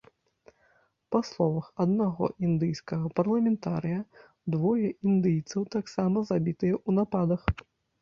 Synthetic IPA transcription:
paslˠɔvɐxɐd̪naɣɔ̰ʔind̪ɨjskɐɣɐpɐrlˠɐmʲɛnt̪aɾɨjɐ | d̪vɔjɛʔind̪ɨjt̪sɐwt̪aksamɐzabʲit̪ɨjɛʔunapad̪ɐx

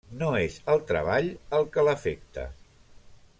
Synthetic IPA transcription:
noezəlˠt̪ɾə̰β̞aʎəlˠkələfek̚t̪ə̰

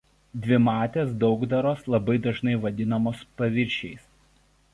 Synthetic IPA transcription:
d̪ʲʋʲɪmɑːt̪ʲeːsd̪ɒʊɡd̪ɐɾoːslˠɐbɐɪd̪ɐʒnɐɪʋɐd̪ʲɪnɐmoːspɐʋʲɪɾʲʃʲɛɪs

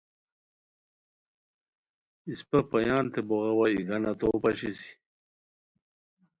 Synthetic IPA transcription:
ispɐpɐjɑːnt̪eboɣawaiɡɐnɐt̪oːpɐɕisi̥

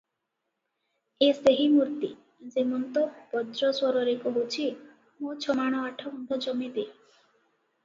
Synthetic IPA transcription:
est̪eɦimuɾt̪i | d͡ʒemɔnt̪ɔpɔd̪ɾɔswɔɾɔɾekɔɦot͡ʃʰi | mut͡ʃʰɔmaɽ̃ɔaʈʰɔund̪ʱɔd͡ʒɔmit̪e

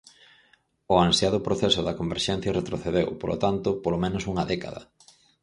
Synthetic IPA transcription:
oansjaðʊpɾoθesʊðɐkombeɾʃɛn̟θjɐret̪ɾoθeðewpolo̰t̪ant̪ʊpolomẽnʊsuŋɐðɛka̰ðɐ̰

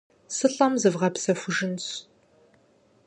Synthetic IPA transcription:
sɨɬʼɐmzɨvʁɐpsɐfʷʊʒɪnt͡s

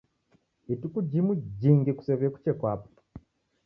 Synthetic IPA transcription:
etukuɟimuɟiːŋɡeku̥seβeku̥cekwaːpu̥

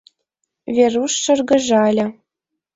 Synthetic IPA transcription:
vʲeruʂːɤ̆rɡɤ̆ʒɑlʲɘ̆

